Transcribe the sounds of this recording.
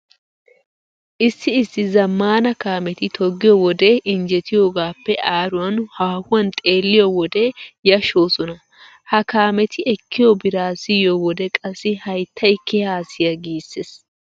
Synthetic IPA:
ʔɪsːɪɪsːɪzɐmːaːnɐkaːmɛt̪ɪt̪ʰɔɡːɪjɔwɔd̪ɛɪnd͡ʒɛt̪ɪjo̞ːɡaːpːɛʔaːɾʊwɐnhaːhʊwɐnt̪ʼe̞ːlːɪjɔwɔd̪ɛjɐʃo̞ːsɔnɐ | hɐkaːmɛt̪ɪʔɛkːɪjɔbɪɾaːsɪjɔwɔd̪ɛkʼɐsːɪhɐjt̪ʰːɐjkːɛhaːsɪjɐɡiːsːes

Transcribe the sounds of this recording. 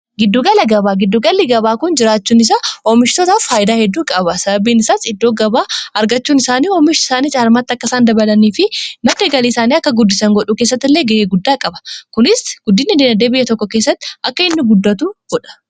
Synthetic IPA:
ɡɪd̪ːuɡɐlɐɡɐbaːɡɪd̪ːuɡɐlːɪɡɐbaːkʊnd͡ʒɪɾaːt͡ʃːuːnɪs̬ɐoːmɪʃt̪ɔt̪affaːjɪd̪aːhɛd̪ːuːkʼɐbɐsɐbɐbiːnɪsaːsɪd̪ːo̞ːɡɐbaːɐɾɡɐt͡ʃːuːnɪsaːniːɔːmɪʃɪ̥saːniːt͡ʃʼaːɐɾmaːt̪ːɪɐkːɐsaːnd̪ɐbɐlɐniːfɪnɐd̪eːɡɐliːsaːniːɐkːɐɡʊd̪ːɪsɐŋɡɔᶑuːke̞ːsːɐt̪ːɪlːeːɡɐeːɡʊd̪ːaːkʼɐbɐ̥kʊnɪsɡ̥ʊd̪ːɪnːɪd̪enɐd̪eːbɪjːɐt̪ɔkːɔke̞ːsːɐt̪ːɪ̥ɐkːɐɪnːʊɡʊd̪ːɐt̪uːɡ̥ɔᶑɐ̥

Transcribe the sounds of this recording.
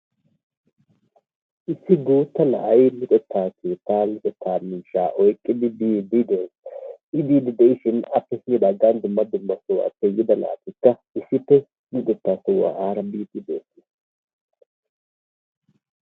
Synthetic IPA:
ʔɪsːɪɡuːt̪ːɐlɐ̰ʔɐjlɪt̪ʼɛt̪ʰːaːkeːt̪ːaːlɪt̪ʼɛt̪ʰːaːmiːʃaːʔɔjkʼːɪd̪ɪbiːd̪id̪esɪd̪iːd̪ɪd̪ɛʔɪʃɪnɐpːɛsɪnɪd̪ɐɡːand̪ʊmːɐd̪ʊmːɐsʊwa̰ːpːɛjɪd̪ɐla̰ːt̪ɪkːɐ | ɪsːɪpːɛ | mɪt̪ʼɛt̪ːaːsʊwa̰ːʔaːɾɐbiːt̪ɪd̪eːt̪ːɪs

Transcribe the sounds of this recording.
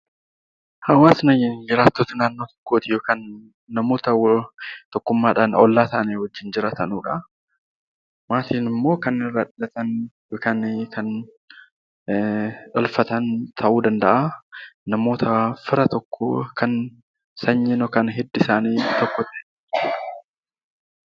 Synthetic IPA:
hɐwaːsnɐjɪnd͡ʒɪɾaːt̪ːoːt̪ɐnaːnːo̞ːt̪ɔ̥kːoːt̪ɪjoːkaːnː | ɐmoːt̪ɐt̪ɔkːʊmːaːᶑanɔlːaːt̪ɐʔɐnewɔd͡ʒːɪnd͡ʒɪɾaːt̪ɐnuːᶑɐ | maːt̪iːnɪmːo̞ːkɐnɪrːɐᶑlɐt̪ɐnjoːkaːnkʰɐn | ᶑɐlfɐt̪ɐnt̪ʰɐʔuːd̪ɐnd̪ɐʔanɐmo̞ːt̪ʰɐfɪɾɐt̪ɔkːo̰kʰɐn | sɐɲːɛnɔkɐnɦɛd̪ːɪsaːniːt̪ɔkːɔt̪ɐʔɛ | d͡ʒuːᶑɐ̥

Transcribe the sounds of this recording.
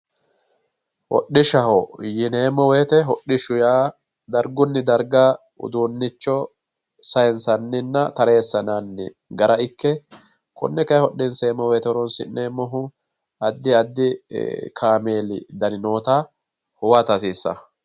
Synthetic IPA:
hɔ̰ɗɪʃɐɦɔjɪne̞ːmɔwe̞ːt̪ɛɦɔɗːɪʃʊjaː | d̪ɐɾɡʊnːɪd̪ɐɾɡa | ʊ̰d̪unːɪt͡ʃːɔ | sɐjɛnsɐnːɪnːɐt̪ɐɾeːsːɐnanːɪ̰ | ɡɐɾɐɪkːɛ | kʰɔ̰nːɛkɐjhɔɗːɪnseːmːɔweːt̪ɛɔɾɔnsɪ̰nneːmːɔɦʊ | ɐd̪ːɪɐd̪ːɪkʰaːmeːlɪ̰d̪ɐnɪno̞ːt̪a | hʊwɐt̪ɐs̬iːsːɐ̰

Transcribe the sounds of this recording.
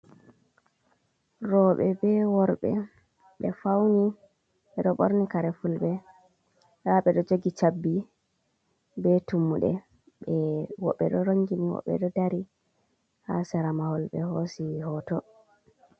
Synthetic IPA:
ɾɔɓɛbɛwɔɾɓɛ̰ | ɓɛfawni | ɓɛɗɔɓo̰ɾnikaɾɛfulɓɛ | haɓɛɗɔd͡ʒoɡit͡ʃabːi | bɛtumːuɗɛ̰ | ɓɛwɔɓːɛ̰ɗɔɾoŋɡiniwɔ̰ɓːɛ̰ɗɔdaɾi | ha̰sɛɾamahɔlɓɛ̰hosihɔtɔ

